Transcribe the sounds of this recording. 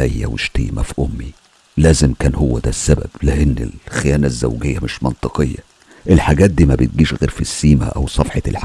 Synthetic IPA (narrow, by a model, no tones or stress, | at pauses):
æjːæ̰weʃt̪ḭːmʔæfʔomːi | læːzemkæːnhowːæd̪æsːæbæ̰b̥læʔenːḛlxejæːnæzːæ̰wɡejːæmeʃmɑnt̪ˤɨqejːæ | ʔelħaɡæːt̪̚d̪iːmæbet̪̚ɡiːʃɣeːɾfisːiːmæ̰ʔæ̰wsˤɑfħɑelħ